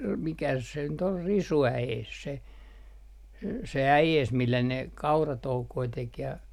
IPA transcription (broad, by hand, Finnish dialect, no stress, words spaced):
mikæs se nyt ol risuæeːs se se æjeːs milːæ ne kɑurɑtoukoi tek jɑ